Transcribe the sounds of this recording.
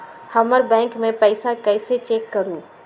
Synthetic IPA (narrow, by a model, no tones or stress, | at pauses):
hɐməɾbɛ̃ːŋkmẽpɛɪsakɛːɪset͡ʃeːkːɐɾũː